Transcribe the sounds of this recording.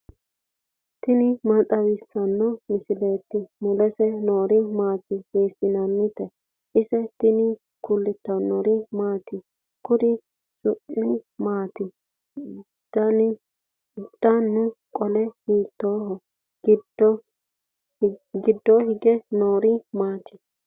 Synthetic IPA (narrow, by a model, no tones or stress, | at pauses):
t̪ɪnɪmɐt̪ʼɐwɪsːɐnːɔmɪsɪleːt̪ːɪmʊlɛsɛnoːɾɪmaːt̪ɪheːsːɪnɐnːɪt̪ɛ | ʔɪsɛt̪ɪnɪ | kʊlːɪt̪ːɐnːɔɾɪmaːt̪ɪ | kʊd̪ɪ | sʊʔːɪmaːt̪ɪ | d̪̥ɐn | d̪̥ɐnːʊkʼɔlɛhiːt̪ːoːɦɔ | ɡɪdɔ | ɡɪd̪ːɔhɪɡɛnoːɾɪmaːt̪ɪ̥